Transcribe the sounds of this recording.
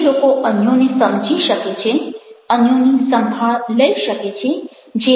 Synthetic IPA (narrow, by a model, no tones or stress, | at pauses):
lokoʔənjonesəmd͡ʒʱiʃəket͡ʃʰeənjonisə̃mbʱaɭləiʃəket͡ʃʰe | d͡ʒe